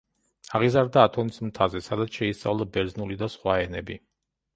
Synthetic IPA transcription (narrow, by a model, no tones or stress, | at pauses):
aʁizaɾd̪aːt̪ʰɔnismt̪ʰazɛsad̪at̪sʃɛist̪sʼa̰vlˠabɛɾdznulid̪asχwaɛnɛbi